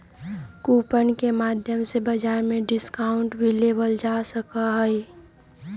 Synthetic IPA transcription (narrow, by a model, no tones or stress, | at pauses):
kuːpənkemaːd̪ʱjəmsebəd͡ʒaːɾmẽɖɪskaːʊ̃ɳʈbilebəld͡ʒasəkaɦəj